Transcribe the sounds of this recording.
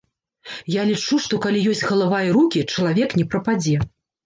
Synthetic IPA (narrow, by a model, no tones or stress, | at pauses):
jalʲit͡ʂuʂt̪ɔkalʲijɔsʲt͡sʲɣɐlˠavajɐɾukʲit͡ʂɐlˠavʲɛknʲɛpɾɐpad͡zʲɛ